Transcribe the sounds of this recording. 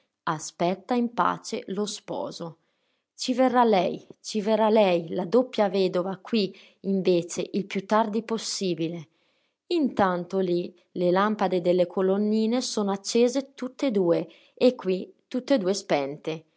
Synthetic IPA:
aspɛt̪ːaimpa̰ːt͡ʃḛlospɔ̰ːzo | t͡ʃiverːalɛjt͡ʃiverːalɛjlad̪opːjavɛːd̪ovakwi | iɱveːt͡ʃeʔilpjut̪ːard̪iposːiːbile | int̪ant̪oli | lelampad̪ed̪elːekʰolonːiːnesoːnoat͡ʃːeːzet̪ut̪ːed̪uːe | ekːwit̪ut̪ːed̪uːespɛnt̪e

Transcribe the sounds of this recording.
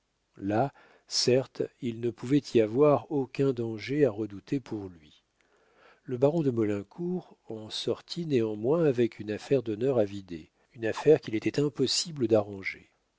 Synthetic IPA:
la | sɛʁt̪ilnəpuvɛt̪ʰiavwaʁokʲɛ̃d̪ɑ̃ʒeaʁəd̪ut̪ʰepʰuʁlɥi | ləbaʁɔ̃d̪əmɔlɛ̃kʰuʁɑ̃sɔʁt̪ʰineɑ̃mwɛ̃avɛkʰynafɛʁd̪ɔnœʁavid̪e | ynafɛʁkʲilet̪ɛt̪ɛ̃pɔsibləd̪aʁɑ̃ʒḛ

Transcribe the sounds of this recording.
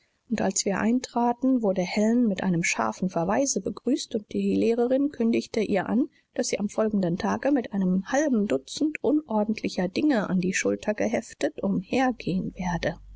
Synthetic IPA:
ʔʊntʔalsv̥iːɐʔa̰ɪntʁ̥aːtn̩vʊɐdəhɛlnmɪtʔa̰ɪnəmʃa̰ɐfn̩fɛɐvaɪzəbəɡʁyːstʊnt̚d̥iːileːʁəʁɪnkʰʏndɪçtəʔiːɐʔan | d̥asz̥iːʔamfɔlɡŋ̩dəntʰaːɡəmɪtʔaɪnəmhalbm̩dʊt͡sn̩tʔʊnʔɔɐdn̩tʰlɪçɐdɪŋəʔa̰ndiːʃʊltʰɐɡəɦɛftətʔʊmheːɐɡeːənveːɐdə

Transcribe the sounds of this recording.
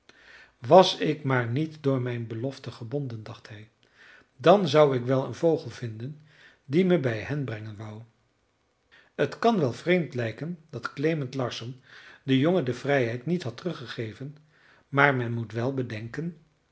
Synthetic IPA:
ʋɑsɪkmaːɹnitdʊːɹmɛjnbəlɔftəχəbɔndəndɑχtɦɛj | dɑnzɑwɪkʋɛlˠə̰nvowχəlˠvɪndən | diməbɛjɦɛnbrɛŋənʋʌw | ətkɑnʋɛlˠvrejmtlɛjkəndɑtklejməntlɑɹsɔndəjoŋədəvrɛjɦɛjtnitɦɑtərɵχəχejvən | maːɹmɛnmutʋɛlˠbədɛŋkən

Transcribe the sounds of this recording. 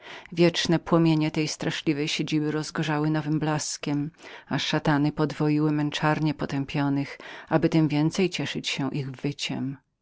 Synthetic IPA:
vʲjɛt͡ʂnɛpwɔmʲjeɲɛt̪ɛjst̪ɾaʂlʲivɛjɕed͡ʑibɘɾɔzɡɔʐawɘnɔvɘmblaskʲɛmaʂat̪anɘpɔd̪vɔjiwɘmɛnt͡ʂaɾɲɛpɔt̪ɛmpʲjɔnɘxabɘt̪ɘmvʲjɛnt̪sɛjt͡ɕɛʂɘt͡ɕɕɛʔiɣvɘt͡ɕɛ̰m

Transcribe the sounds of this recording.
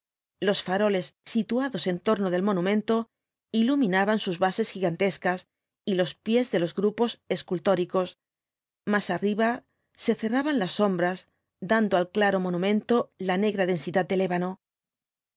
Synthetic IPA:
lo̞sfaɾo̞le̞sːit̪uaðo̞se̞nt̪o̞ɾno̞ð̞e̞lmõ̞nũmẽ̞nt̪o̞ | ilumĩnaβansuzβase̞sxiɣant̪e̞skas | ilo̞spje̞zðe̞lo̞zɣɾupo̞se̞skult̪o̞ɾiko̞s | masariβa | se̞θe̞raβanlasːo̞mbɾaz | d̪and̪oalklaɾo̞mo̞nũmẽ̞nt̪o̞lane̞ɣɾaðe̞nsiðat̪̚d̪e̞le̞βano̞

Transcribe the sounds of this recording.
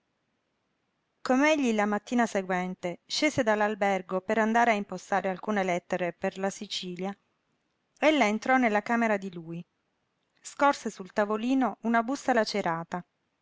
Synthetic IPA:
komeeʎːilamat̪ːiːnaseɡwɛnt̪eʃːeːzed̪alːalbɛrɡopeɾand̪aːɾeaimpost̪aːɾealkuːnelɛt̪ːeɾeperlasit͡ʃiːlja | elːaent̪ɾɔnːelːakaːmeɾad̪iluːi | skorsesult̪avoliːnounabustːalat͡ʃeɾʔaːt̪a

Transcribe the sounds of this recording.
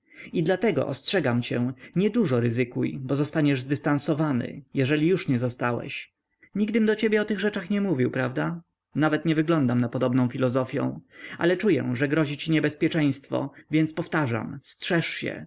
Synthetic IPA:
id̪lat̪ɛɡɔ̰ʔɔ̰stʂɛɡamt͡ɕɛ̰̃ɲɛd̪uʐɔɾɘzɘkujbɔzɔst̪aɲɛʐzd̪ɘst̪ansɔvanɘ̰jɛʐɛlʲijuʂɲɛzɔst̪awɛ̰ɕ | ɲiɡd̪ɘmd̪ɔt͡ɕebʲjɛɔt̪ɘɣʐɛt͡ʂaxɲɛmuvʲiwpɾavd̪a | navɛt̪ɲɛvɘɡlɔnd̪amnapɔd̪ɔbnɔ̃w̃fʲilɔzɔfʲjɔ̰̃w̃a̰lɛt͡ʂujɛ̰ʐɛɡɾɔʑit͡ɕiɲɛbɛspʲjɛt͡ʂɛj̃st̪fɔ̰vʲjɛnt̪spɔft̪aʐa̰mstʂɛʂɕɛ̰

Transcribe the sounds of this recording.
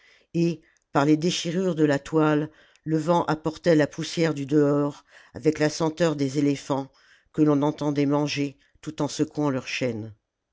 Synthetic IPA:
e | paʁled̪eʃiʁyʁd̪əlat̪walː | əvɑ̃ʔapɔʁt̪ɛlapusjɛʁd̪yd̪əɔʁavɛklasɑ̃t̪œʁd̪ezelefɑ̃ | kəlɔ̃nɑ̃t̪ɑ̃d̪ɛmɑ̃ʒe | t̪ut̪ɑ̃səkuɑ̃lœʁʃɛn

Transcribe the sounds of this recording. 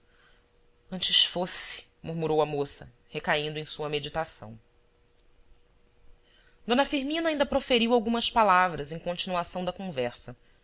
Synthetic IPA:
ɐ̃nt͡ʃɪʃfosɪ̥muɾmuɾowɐmosɐ̰ | hekaĩnd̪ʊẽj̃suɐmed͡ʒit̪asɐ̰̃w̃ | d̪õnɐfiɾmĩnɐaĩnd̪ɐpɾofeɾiwawɡũmɐspalavɾɐzẽj̃kõnt͡ʃinuasɐ̃w̃d̪ɐkõvɛɾsɐ

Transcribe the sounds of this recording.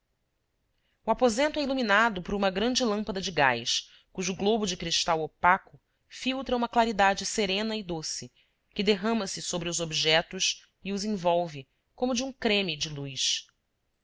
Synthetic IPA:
uapozẽnt̪ʊɛiluminad̪ʊpʊɾũmɐɡɾɐ̃nd͡ʒɪlɐ̃mpɐd̪ɐd͡ʒɪɡa̰js | kuʒʊːɡlobʊd͡ʒɪkɾiʃt̪awopakʊ | fiwt̪ɾɐũmɐklaɾid̪ad͡ʒɪseɾẽnɐɪd̪osɪ | kɪd̪eɦɐ̃mɐsɪsobɾɪʊzobiʒɛt̪ʊʃ | iʊzẽvɔwvɪ | kõmʊd͡ʒɪũkɾẽmid͡ʒɪlujʃ

